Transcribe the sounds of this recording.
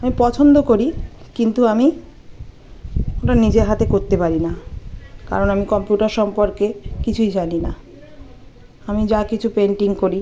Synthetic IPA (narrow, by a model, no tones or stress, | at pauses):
amipɔt͡ɕʰond̪okoɾikint̪uami | oʈanid͡ʑeɾɦat̪ekoɾt̪epaɾina | ka̰ɾonamikɔmpjuʈaɾʃɔmpoɾkekit͡ɕʰujd͡ʑanina | amid͡ʑakit͡ɕʰupeɳʈiŋkoɾi